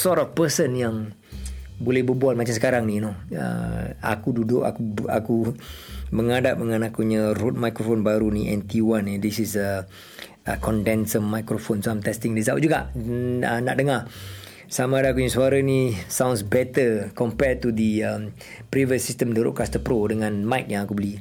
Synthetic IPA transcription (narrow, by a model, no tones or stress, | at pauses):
sɔtɔfpəsənjaŋ | bolɛhbəbualmat͡ʃamsə̥kaɾaŋninoə̰a̰kududʊʔa̰kua̰ku | məŋadat̚məŋãnakuɲə̃ɾot̪̚majkɾofonbaɾuniʔɛnt̪iwanid̪isisə | əkɔndɛnsəmːajkɾofonsoajmt̪ɛst̪iŋdis̬awʔ̚d͡ʒuɡa̰ʔə̰naʔdəŋa | samãːdaːkuɲəsuaɾənisãwnsbɛt̪əkɔmpɛt̪udəəm | pɾivəsistəmdəɾo̰ʔkast̪əpɾodəŋãnmajk̚jãŋakubəli